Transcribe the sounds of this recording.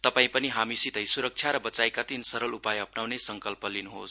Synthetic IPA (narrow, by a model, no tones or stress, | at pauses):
t̪ʌpaĩpʌniɦamisit̪ʌjsuɾʌk̚t͡ʃʰjaɾʌbʌt͡sajkat̪insʌɾʌlupajʌpnawnesʌŋkʌlpʌlinuɦo̰s